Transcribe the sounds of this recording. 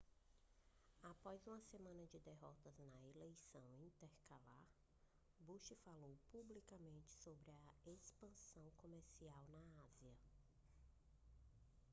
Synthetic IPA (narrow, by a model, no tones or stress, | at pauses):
apɔjzũmɐsemɐ̃nɐd͡ʒɪd̪eɦɔt̪ɐznɐelejsɐ̃w̃ĩnt̪eɾkalaɾ | buʃifalowpublikamẽnt͡ʃɪ̥sobɾɪɐespɐ̃sɐ̃w̃komeɾsiawnɐaziɐ